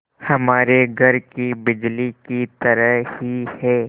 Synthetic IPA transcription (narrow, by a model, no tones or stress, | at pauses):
hɐmaːɾeɡʱɐɾkibɪd͡ʒlikit̪ɐɾəɦhihɛː